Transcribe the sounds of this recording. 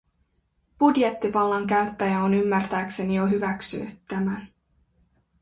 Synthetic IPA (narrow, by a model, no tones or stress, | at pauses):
b̥udje̞t̪ːiʋɑlːɑŋkæɥt̪ːæjæonymːært̪æːkse̞nijoɦyʋæksy̰nːyt̪ːæmæn